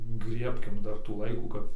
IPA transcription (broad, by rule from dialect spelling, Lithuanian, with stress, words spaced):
ˈɡrʲiɛpʲkʲɪm ˈdɐr tuː ˈlˠɐɪkuː ˈkɐp